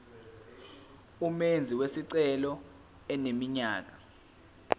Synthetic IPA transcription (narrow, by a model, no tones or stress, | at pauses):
umend͡zʱiwesiǀɛlɔ | ɛnemiɲaːk̬ʼḁ